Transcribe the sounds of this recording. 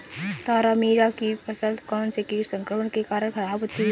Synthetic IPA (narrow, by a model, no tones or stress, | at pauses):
t̪aːɾamiːɽakipɐsəld̪kɔːnsekiːɾsə̃ŋkɾəməɽkekaːɾəɽkʰɐɾaːbʱɦot̪ːi